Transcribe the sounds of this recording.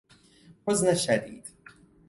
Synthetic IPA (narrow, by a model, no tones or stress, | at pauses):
ħʊznaʃːad̪ḭːd̪